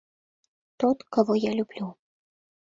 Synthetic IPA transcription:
t̪ɔt̪kavɔjalʲublʲu

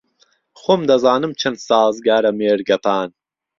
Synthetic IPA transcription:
xoːmd̪ɐzaːnɨmt͡ʃʰɐnsaːzɡaːɾɐmeːɾɡɐpʰaːn

